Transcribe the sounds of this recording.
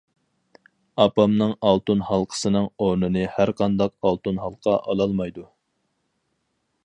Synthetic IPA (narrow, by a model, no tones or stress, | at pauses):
ɑpɑmnɨŋɑlˠt̪unhɑlˠqʰə̥sɨnɨŋoɾnɨnɨhæɾqʰɑnd̪ɑqɑlˠt̪unɦɑlˠqʰɑʔɑlˠɑlˠmɑjd̪u